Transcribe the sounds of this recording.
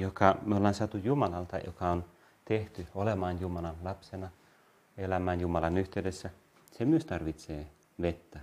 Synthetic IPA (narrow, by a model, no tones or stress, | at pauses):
jokɑmyolːɑːnsɑt̪ujjumɑlɑlt̪ɑjo̰kɑon | t̪eht̪yolemɑːnjumɑlɑnlɑpsenɑ | elæmæːnjumɑlɑnyht̪eydesːæ | semyøst̪ɑrʋit̪seː | ʋet̪ːæ